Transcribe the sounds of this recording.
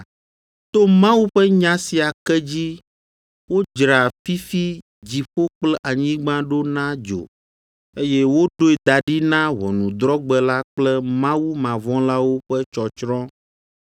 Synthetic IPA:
t̪o˦mã˦wu˦ɸɛ˦ɲã˦si˨a˨kɛ˦d͡ʑi˦ | wo˦d͡ʒɾa˨fi˦fi˦ | d͡ʑi˨ɸo˦k͡plɛ˦ʔa˨ɲĩ˦ɡ͡bã˦ɖo˦nã˦d͡ʒo̰˨ | e˦jɛ˦wo˦ɖo˦e˨d̪a˨ɖi˦nã˦wɔ̰˨nũ˨d̪ɾɔ˦ɡ͡bɛ˨la˦k͡plɛ˦mã˦wu˦mã˨vɔ̃˦la˦wo˦ɸɛ˦t͡ʃɔ˨t͡ʃɾɔ̃˦

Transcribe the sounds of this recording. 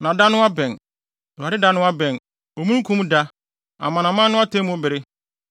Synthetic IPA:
nã˨da˦nʊ̃˦a˦bɛ̃˨n˨ | a˨dɪ˦da˦nʊ̃˦a˦bɛ̃˨n | o˨mũ˦kʰũ˦mda˦ | ã̰˨mã˨nã˨mã˦nʊ̃˦a˦tʰẽ˦mũ˦bɪ˨ɾɪ˦

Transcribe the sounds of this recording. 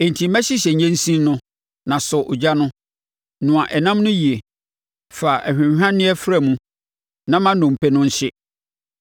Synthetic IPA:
e˨n˨tʰĩ˨mæ̃˦ɕɪ˦ɕɛ˨ɲɛ̃˦n˦sĩ˦nʊ̃˦ | nã˨sɔ˨ʔʊ˨d͡ʑa˦nʊ̃˦ | nʊ̃˨ã˨ʔɛ˨nã˦mnʊ̃˦ji˨e˨ | fa˨ʔæ˨hᶣɪ̃˨hᶣã˦nɪ̃˦ɛ˦fɾa˨mũ˦ | nã˦mã˦nʊ̃˨m̩˨pʰɛ˦nʊ̃˦ɲ̩˦ɕɪ˦

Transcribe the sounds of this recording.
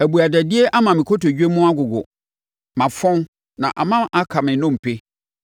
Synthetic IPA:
æ˨bu˨a˨dæ˨dɪ˦e˦ʔa˦mã˨mɪ̃˨kʰo˦to˨d͡ʑᶣe˦mʊ̃˦a˦ɡʊ˨ɡʊ̰˨ | mã˨fɔ̃˦n | nã̰˨ʔa̰˨mã˦mʔa˦kʰa˨mɪ̃˨nʊ̃˦˨m̩˨pʰe˦

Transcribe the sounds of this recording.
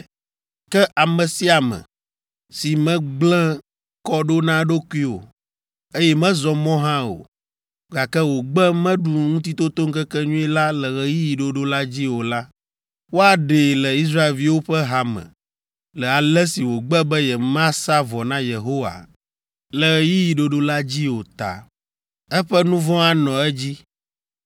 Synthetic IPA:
kɛ˦ʔa˨mɛ̃˨si˦a˨mɛ̰̃˨ | si˨mɛ̃˦ɡ͡blɛ̃˦ | kɔ˦ɖo˦nã˦ɖo˦ki˦wo̰˨ | e˦jɛ˦mɛ̃˦zɔ˨mɔ̃˦ɦã˦o̰˨ | ɡa˨kɛ˦wo˨ɡ͡bɛ˦mɛ̃˦ɖu˨ŋũ˦t̪i˦t̪o˦t̪o˦ŋ̩˦kɛ˦kɛ˦ɲũ˦ɛ˦la˦lɛ˨ɣɛ˦ji˦ji˨ɖo˦ɖo˦la˦d͡ʑi˦wo˨la˦ | wo˦a˨ɖe˨lɛ˨i˦s̬ɾa˦e˨lvi˦wo˦ɸɛ˦ɦa˨mɛ̰̃˨ | lɛ˨a˨lɛ˦si˨wo˨ɡ͡bɛ˦bɛ˦jɛ˨mã˦sa˦vɔ˨nã˦je˨ɦo˦wa̰˨ | lɛ˨ɣɛ˨ji˦ji˨ɖo˦ɖo˦la˦d͡ʑi˦wo˨t̪a̰˨ | ɛ˦ɸɛ˦nũ˦vɔ̃˦a˦nɔ̃˨ɛ˦d͡ʑi˦

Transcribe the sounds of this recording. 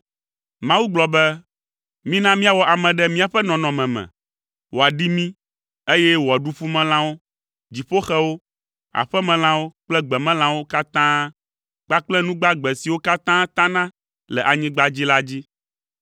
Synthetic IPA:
mã˦wu˦ɡ͡blɔ˨bɛ˦ | mĩ˦nã˦mĩ˦a˨wɔ˨ʔa˨mɛ̃˨ɖɛ˦mĩ˦a˨ɸɛ˦nɔ̃˨nɔ̃˨mɛ̃˨mɛ̰̃˨ | wo˨a˨ɖi˦mĩ˦ | e˦jɛ˦wo˨a˨ɖu˦fu˦mɛ̃˦l̃ã˦wo˦ | d͡ʑi˨ɸo˦xɛ˦wo˦ | a̰˨ɸɛ˦mɛ̃˨l̃ã˦wo˦k͡plɛ˦ɡ͡bɛ˨mɛ̃˦l̃ã˦wo˦ka˦t̪ãː˦ | k͡pa˦k͡plɛ˦nũ˦ɡ͡ba˦ɡ͡bɛ˨si˨wo˦ka˦t̪ã˦t̪ã˦nã˦ | lɛ˨ʔa˨ɲĩ˦ɡ͡ba˦d͡ʑi˦la˦d͡ʑi˦

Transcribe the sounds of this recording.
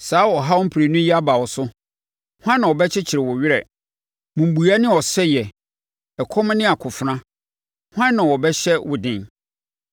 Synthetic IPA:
saː˨˦wɔ˨ɦa˦wɔ˦m̩˦pʰɾe˨nʊ̃˦ji˦a˦ba˨wɔ˨sʊ˦ | hʷã˦nːã˨ɔ˨bɛ˦t͡ɕʰɪ˦t͡ɕʰɪ˨ɾɪ˨wʊ˨ɥɪ˦ɾɛ̰˨ | mũ˨m˨bu˨a˦nɪ̃˦ɔ˨sɛ˦jɛ˨ | ɛ˨kʰɔ̃˦m˦nɪ̃˦a˨kʰʊ˨fɾã˦ | hʷã˦nnã˨wɔ˨bɛ˦ɕɛ˦wʊ˨dɪ̃˦n

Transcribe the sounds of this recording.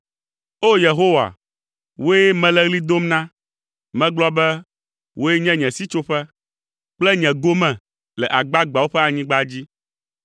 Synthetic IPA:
o˦je˨ɦo˦wa̰˨ | wo˦jɛ˦mɛ̃˦lɛ˦ɣli˦d̪o˦mnã˦ | mɛ̃˦ɡ͡blɔ˦bɛ˦ | wʔo˦je˦ɲɛ̃˦ɲɛ̃˨si˦t͡ʃo˦ɸɛ˦ | k͡plɛ˦ɲɛ̃˨ɡo˦mɛ̃˨ | lɛ˨ʔa˨ɡ͡ba˦ɡ͡ba˨wo˦ɸɛ˦a˨ɲĩ˦ɡ͡ba˦d͡ʑi˦

